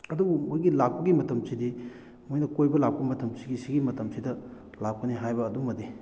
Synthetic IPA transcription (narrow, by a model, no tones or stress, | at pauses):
ɐdubumojɡilak̚pɐɡimɐtɐmsidi | mojnɐkojbɐlak̚pɐmɐtɐmsiɡisiɡimɐtɐmsidɐ | lak̚pʰɐniɦajbɐːdumːɐdi